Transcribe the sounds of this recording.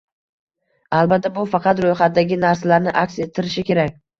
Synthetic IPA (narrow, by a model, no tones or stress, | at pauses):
albat̪ːabʊfɑqʰɑt̪ɾojχat̪̚d̪aɡʲɪnaɾsalaɾnɪʔakʲse̞t̪ʰːɪɾɪʃɪkʲe̞ɾakʲ